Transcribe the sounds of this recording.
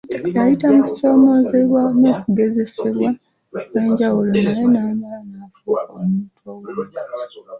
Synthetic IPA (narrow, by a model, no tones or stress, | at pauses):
ajitamu̥so̞ːmo̞zeβwano̞ːkuɡe̞ze̞se̞βwa | ne̞ːɲɟawulo̞najenamalanafukomuːtʰowo